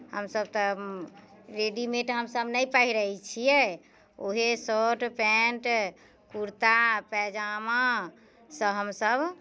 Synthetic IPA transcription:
həmsəb̚t̪ɔ | ɾeɖimeʈɦəmsəbnəjpəɦiɾəit͡ʃʰijɛ | oɦesoʈpɛɳʈ | kuɾt̪apɛd͡ʒama | səɦəmsəb

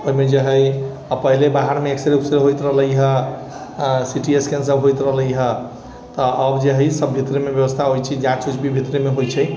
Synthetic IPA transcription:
oimed͡ʒəɦəj | pəɦilebaɦaɾmeːkseɾeksɾeɦojt̪ɾəɦləjɦə | siʈieskensəbɦojt̪ɾəɦləjɦə | t̪ɔʔəbd͡ʒəɦəjsəbʱːit̪ɾemebjəbəst̪ʰaɦojt͡ʃʰɛd͡ʒãt͡ʃut͡ʃbʱibʱit̪ɾemeɦojt͡ʃʰɛ

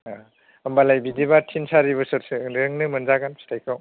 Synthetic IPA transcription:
a | ɐmbalajbidibatʰinsaɾibɯsɯɾsɯɾɯŋnɯmɐnzaɡanpʰstʰajkʰaw

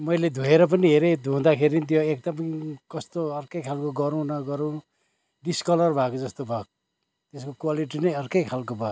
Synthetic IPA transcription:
mʌjled̪ʱueɾʌp̬ʌniɦeɾed̪ʱuũd̪akʰeɾinit̪̬joek̚d̪ʌmʌkʌst̪oʌrkʌjkʰalkoɡʌɾũnʌɡʌɾũ | ɖiskʌlʌrbʱakod͡zʌst̪obʱak̚ | t̪eskokwaliʈ̬inʌjʌrkʌjkʰalkobʱak

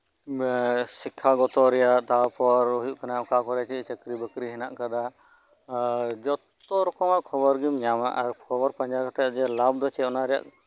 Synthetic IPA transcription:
sikʰːaɡɔt̪ɔɾɛjaʔt̪apɔɾujuʔkʰanakakɔɾɛt͡ʃɛt͡ʃəkɾibəkɾiɦɛna̰ʔkad̪a | d͡ʒɔt̪ | ɔɾɔkɔmaʔkʰɔbɔɾɡimɲama̰ʔaɾkkʰɔbɔɾpaɲd͡ʒakat̪aaʔd͡ʒɛlab̚d̪ɔt͡ʃɛɔnaɾɛja̰ʔ

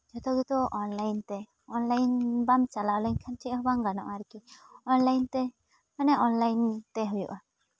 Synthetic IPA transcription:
d͡ʒɔt̪ɔɡit̪ɔʔɔnlajnt̪ɛ | ɔnlajnbamt͡ʃalalɔɲkʰant͡ʃʰiʔɦɔbaŋɡanɔ̰ʔaɾkiɔnlajnt̪ɛ | manɛʔɔnlajnt̪ɛɦujṵʔa

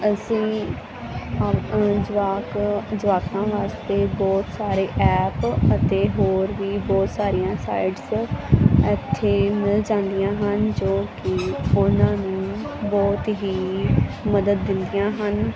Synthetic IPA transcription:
əsĩː | aːd͡ʒʊʋaːkãːʋaːst̪eːbɔːt̪saːɾeːʔɛːpət̪eːɦoːɾʋiːbɔːt̪saːɾɪjãːsa̰ːiɖs | ɛt̪ʰːeːmɪld͡ʒãːnd̪ijãːɦənd͡ʒoːkɪʊnãːnũːbɔːt̪ɦiːməd̪əd̪ːɪnd̪ɪjãːɦən

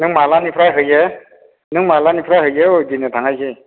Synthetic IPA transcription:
nɯŋmalanipʰɾaɦɯje | nɯŋmalanipʰɾaɦɯjeodinɯtʰaŋajɡɯj

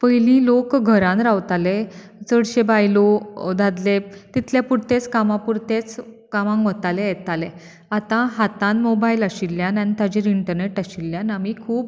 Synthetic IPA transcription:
pəjlĩːlokɡʱəɾãnɾawt̪alet͡səɽɕebajlod̪ad̪let̪it̪ʰljapuɽt̪et͡skamãpuɾt̪et͡s | kamãŋkʋət̪alẽjɛt̪alẽ | at̪ãɦat̪ãnmobailaɕilːjãnant̪ad͡ʑiɾiɳʈəɾneʈaɕilːjãnamikʰuːb

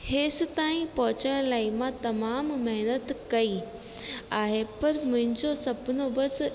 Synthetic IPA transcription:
heːs̆t̪aːĩpɐɦʊt͡ɕəɽ̃laːimãt̪ɐmaːmmɐɦnət̪kɐi | aːɦepɐɾmʊ̃ɦɪ̃ɲd͡ʑosɐbʱɪnobɐs

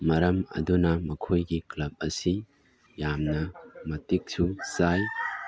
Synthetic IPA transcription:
mɐɾɐmɐ̰dunɐmɐkʰojɡiklɐb̚ɐsi | jamnɐmɐtik̚susaj

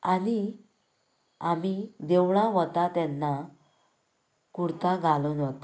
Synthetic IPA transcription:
ani | amid̪ɛwɳãʋɔt̪at̪ɛnːa | kuɽt̪ãɡʱalunɔt̪a

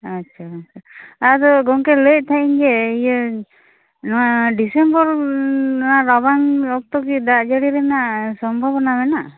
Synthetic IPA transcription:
atːt͡ʃʰaːt͡ʃʰaad̪ɔɡɔŋkɛlec̚ˀt̪ʰaʔiɲd͡ʒeijɔ | nɔwaɖisembɔɾ | naʔɾɔbaŋɔk̚t̪ɔkid̪aʔd͡ʒaɽiɾɛnaʔsɔmbʱɔbnamɛna

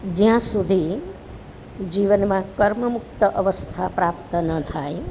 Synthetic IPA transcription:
d͡ʒãsud̪ʱi | d͡ʒiːʋənmãkəɾməmʊk̚t̪əʔəʋəst̪ʰapɾaːp̚t̪ənət̪ʰae

